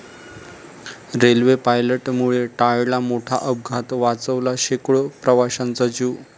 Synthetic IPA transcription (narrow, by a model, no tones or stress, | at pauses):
ɾelʋepajləʈmuɭeʈaɭlamoʈʰa̰ʔəb̚ɡʱat̪ʋat͡səʋlaɕekɭəpɾəʋaɕant͡sad͡ʑuː